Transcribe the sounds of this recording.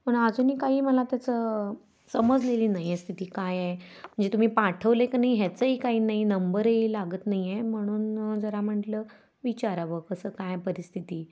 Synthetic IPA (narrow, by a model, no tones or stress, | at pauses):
məɳ̃əd͡zuːniːkaɦiːməlat̪jat͡sə | səməd͡zleliːnaɦjest̪ʰit̪iːkajem̤əɳd͡zet̪um̤iːpaʈʰəʋləekənaiɦɛt͡səɦiːkaɦiːnaɦiːnəmbəɾɦilaɡəːt̪naɦijem̤əɽ̃uːnd͡zəɾam̤əʈlə | ʋit͡ɕaɾaʋəkəsəːkajpəɾist̪ʰit̪iː